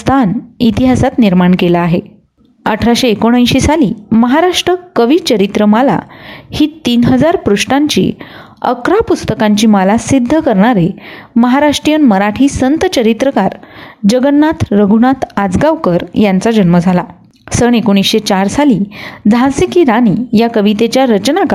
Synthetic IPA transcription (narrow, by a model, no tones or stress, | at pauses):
t̪ʰanit̪iɦasat̪niɾmaɳkelaːɦe | əʈʰɾaɕeːkoɽ̃ajɕiːsalḭːməɦaɾaʂʈɾəkəʋiːt͡ɕəɾit̪ɾəmala̰hiːt̪iːnɦəd͡zaɾpɾuʂʈãɲt͡ɕḭː | ə̰kɾapust̪əkãɲt͡ɕiːmalasid̪ʱːəkəɾɳaɾeməɦaɾaʂʈɾijənməɾaʈʰiːsənt̪ət͡ɕəɾit̪ɾəkaɾd͡ʑəɡənːat̪ʰɾəɡʱuɳat̪ʰad͡zɡaʋkəɾjant͡sad͡ʑənməd͡zʱala | səɳ̃ekoɽ̃isɕet͡ɕaɾsalid͡z̪ʱasikiːɾaniːjakəʋit̪et͡ɕjaɾət͡ɕnak